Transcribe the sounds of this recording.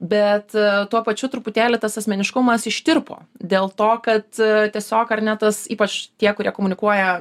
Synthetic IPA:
bʲɛt̪t̪uɔpɐt͡ʃʲʊt̪ɾʊpʊt̪ʲæːlʲɪt̪ɐsɐsʲmʲɛnʲɪʃkʊmɐsɪʃʲt̪ʲɪɾpo̰ːd̪ʲeːlˠt̪oːkɐt̪t̪ʲiɛsʲoːkɐɾnʲɛt̪ɐsḭːpɐt͡ʃtʲiɛkʊɾʲiɛkoːmʊnʲɪkuɔjɛ

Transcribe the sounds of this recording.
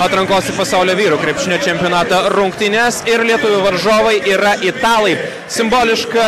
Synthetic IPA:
ɐt̪ɾɐŋkoːsɪpɐsɑˑʊlʲoːʋʲiːɾʊːkɾʲɛɪpʲʃʲɪnʲɛːt͡ʃʲɛmʲpʲɪoːnɑːt̪ɐɾʊŋkt̪ʲɪnʲeːsɪɾlʲiɛt̪ʊʋʲʊʋɐɾʒoːʋɐɪʔiːɾɐʔɪt̪ɑːlˠɐɪ | sʲɪmboːlʲɪʃkɐ

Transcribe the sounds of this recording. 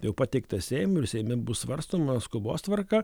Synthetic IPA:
jɛʊpɑːt̪ʲɛɪkt̪ɐsʲɛɪmʊɪɾsʲɛɪmʲɪbʊssʋɐɾst̪oːmɐskʊbo̰ːst̪ʋɐɾkɐ

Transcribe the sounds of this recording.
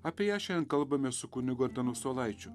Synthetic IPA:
ɐpʲiɛjæːʃʲɛnkɐlˠbɐmʲesʊkʊnʲɪɡoːɾʲd̪ɐnuːst̪oːlˠɐɪt͡ʃʲʊ

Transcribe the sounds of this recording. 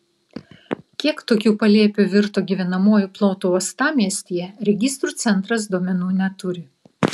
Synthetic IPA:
kʲiɛkt̪oːkʲuːpɐlʲiɛpʲuʋʲɪɾt̪oːɡʲiʋʲɛnɐmoːjuˑplˠoːt̪uːɐst̪ɑːmʲiɛsʲt̪ʲijɛɾʲɛɡʲɪst̪ɾuːt̪sʲɛnˑt̪ɾɐs̬d̪uɔmʲɛnuːnʲɛt̪ʊɾʲɪ

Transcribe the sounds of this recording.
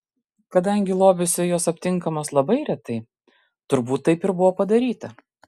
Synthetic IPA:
kɐd̪ɐŋʲɡʲɪlˠoːbʲɪsʲʊjoːsɐpʲt̪ʲɪŋˑkɐmoslˠɐbɐɪɾʲɛt̪ɐɪ | t̪ʊɾbuːt̪ːɐɪpɪɾbʊʋoːpɐd̪ɐɾʲiːt̪ɐ

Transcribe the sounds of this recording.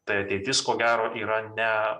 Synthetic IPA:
t̪ɐɪɐt̪ʲeɪt̪ʲɪskoːɡʲæːɾoːʔiːɾɐnʲɛ

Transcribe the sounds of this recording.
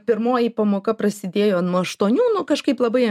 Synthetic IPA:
pʲɪɾmoːjipɐmoːkɐpɾɐsʲɪd̪ʲeːjoːnoːɐʃt̪uːnʲuːnʊkɐʃkɐɪplˠɐbɐɪɐ

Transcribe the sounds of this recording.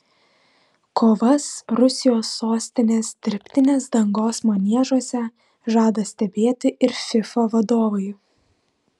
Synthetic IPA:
kʰoːʋɐsɾʊsʲɪjoːsːoːsʲt̪ʲɪnʲeːsd̪ʲɪɾʲpʲt̪ʲɪnʲeːsd̪ɐŋɡoːsmɐnʲiɛʒuɔsʲɛ | ʒɑːd̪ɐsʲt̪ʲɛbʲeːt̪ʲɪʔɪɾfʲɪfɐʋɐd̪oːʋɐɪ

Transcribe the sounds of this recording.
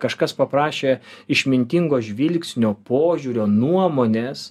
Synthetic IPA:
kɐʃkɐspɐpɾɑːʃʲeːɪʃʲmʲɪnʲt̪ʲɪŋɡoːʒʲʋʲɪlʲkʲsʲnʲoːpoːʒʲuɾʲoːnuɔmoːnʲeːs

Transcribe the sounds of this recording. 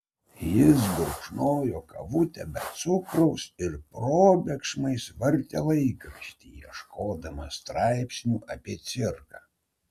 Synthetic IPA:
jɪs̬bʊɾkʃnoːjoːkɐ̰ʋʊt̪ʲɛbʲɛt̪t̪sʊkɾɐʊsɪɾpɾoːbʲɛkʃmɐɪsʋɐɾʲt̪ʲelˠɐɪkɐʃʲt̪ʲiːjiɛʃkoːd̪ɐmɐst̪ɾɑɪpʲsʲnʲuːʔɐpʲiɛt̪sʲɪɾkɑː

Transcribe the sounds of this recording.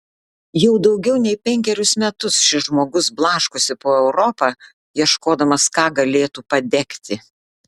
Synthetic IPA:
jɛʊd̪ɒʊɡʲɛʊnʲɛɪpʲɛŋʲkʲɛɾʲʊsmʲɛt̪ʊsʃʲɪʒmoːɡʊsblˠɑːʃkosʲɪpoːɛʊɾɔpɑ | jiɛʃkoːd̪ɐmɐskɑːɡɐlʲeːt̪uːpɐd̪ʲɛkʲt̪ʲɪ

